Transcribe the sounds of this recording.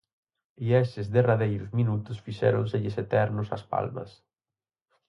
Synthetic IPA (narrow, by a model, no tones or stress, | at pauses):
iɛsɪzðeraðejɾʊzminut̪ʊsfiʃɛ̰ɾʊnseʎɪset̪ɛɾnʊsɐ̰spa̰lmɐ̰s